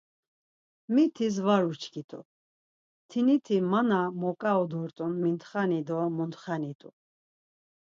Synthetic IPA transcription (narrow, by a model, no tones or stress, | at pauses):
mit̪ʰis̬vaɾut͡ʃʰkʰit̪ʼṵ | t̪ʰinit̪ʰimanamɔkʼaɔd̪ɔɾt̪ʼunmint̪χanid̪ɔmunt̪χanit̪ʼṵ